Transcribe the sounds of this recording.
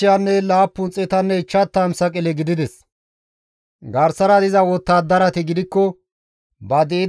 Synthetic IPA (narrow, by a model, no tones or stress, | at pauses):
ɪjanːɛlaːpːʊnt͡sʼɛt̪ɐnːɛɪt͡ʃːɐt̪ːamsɐkʼɪlɛɡɪd̪ɪd̪ɛs | ɡɐɾsɐɾɐd̪ɪzɐwɔt̪ːaːd̪ɐɾɐt̪ɪɡɪd̪ɪkːɔ | bɐd̪eː